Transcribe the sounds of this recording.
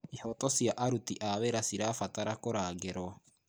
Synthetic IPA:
ihɔtɔsjaʔaɾutiʔaβeɾasiɾaːfataɾakoɾaːɡeɾwa

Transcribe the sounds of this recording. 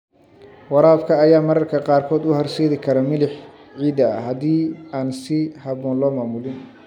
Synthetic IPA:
wɑɾaːfkʰɐːjaːmɐɾɐrkʰɐqɑːrkʰɔːd̪ʊhɐrsɛːðɪkʰɐɾɐmɪlɪħ | ʕiːd̪ɐ̰hɐðiːaːnsɪhɑβɔːnlɔːmaːmʊlɪn

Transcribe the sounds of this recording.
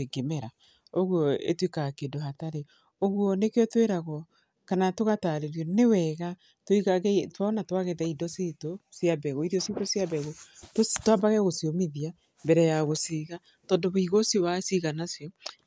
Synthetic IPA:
eɡemɛɾa | oɣwɔḛtwikakedohataɾe | oɣuɔnekeɔtweɾaɣɔ | kanatoɣataːɾeɾjɔnewɛɣa | twiɣaɣɛtwanatwaɣɛðaidɔsetosjabɛɣoiɾɔsetosjaβɛɣototwabaɣɛɣosiomiðia | mbɛɾɛjaɣosiɣa | tɔːndɔβoiɣosjowasiɣanasjɔ

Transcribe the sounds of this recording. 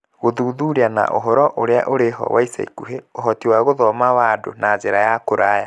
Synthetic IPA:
ɣoðuːðuɾiana̰ʔo̰ɦɔɾɔʔoɾea̰ʔoɾeɦɔ̰waisa̰ikuɦeoɦɔtiwaɣoðɔmawado̰nazeɾajakoɾaja

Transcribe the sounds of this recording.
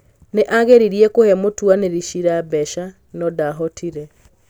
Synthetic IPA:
neʔaɣeɾiɾiɛkohɛmotwaneɾiʃiɾabɛʃa | nɔdaɦɔtʰiɾɛ

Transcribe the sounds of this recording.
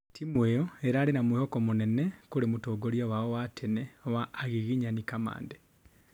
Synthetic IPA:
timwejoeɾaːlinamuhokomunenekuɾemutoːɡoɾijawaowatʰeneowaːɣiɣiɲanikama̰ːnde

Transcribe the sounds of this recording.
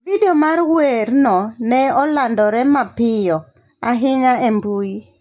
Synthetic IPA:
videɔmaɾwɛɾnɔnɛɔlandɔɾɛmapɪjɔ | aɦɪɲaɛmbui

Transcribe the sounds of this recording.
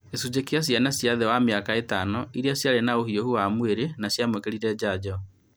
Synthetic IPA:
esud͡ʑekias̬janasjaðɛwamiakaetanɔiɾiasjaɾenaohiohuwamweɾenasjamwekeɾiɾɛd͡ʑad͡ʑɔ

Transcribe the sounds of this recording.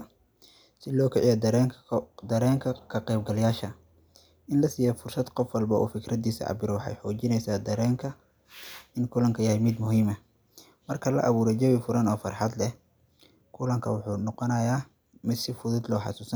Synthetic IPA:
sɪlɔːkʰɛʕijɔd̪ɐɾd̪ɐɾɛːŋkʰɐkʰɐqɛjbɡɐljaːʃɐ | ʔɪnlɐsiːjɔfʊrsɐd̪qɔfwɑlbɐʔṵːfɪkʰɾɐd̪iːsɐ̰ʔɑ̰bɪɾɔwɑħɑ̰jħɔːt͡ʃɪnɛjsaːd̪ɐɾɛːŋkʰɐ | ʔɪnkʰʊlɐŋkʰɐjɐhɛjmɪd̪mʊɦiːmɐ | mɐrkʰɐlɐ̰ʔɐβuːɾɛd͡ʒɐwifʊɾɐnɔːfɑ̰rħɑd̪lɛ | kʰʊlɐŋkʰɐwʊħuːnɔqɔnɐjaː | mɪd̪sɪfʊðʊd̪lɔːħɑ̰suːsɐn

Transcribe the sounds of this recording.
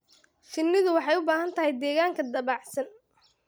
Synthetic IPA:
t͡ʃɪnːɪðʊwɑħɑjʊbaːɦɐnt̪ʰɐɦɛjd̪ɛːɣaːŋkʰɐd̪ɐβɑːʕsɐn

